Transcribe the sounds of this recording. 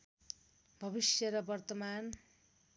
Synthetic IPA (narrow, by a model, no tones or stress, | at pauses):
bʱʌbisjʌɾʌbʌrt̪ʌman